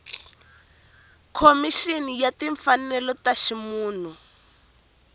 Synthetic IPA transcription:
kʰomiʃinijatiɱfanɛlɔtaʃimuːn̤u

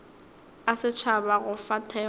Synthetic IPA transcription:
asɪt͡ʃʰabaɣʊfatʰɛ

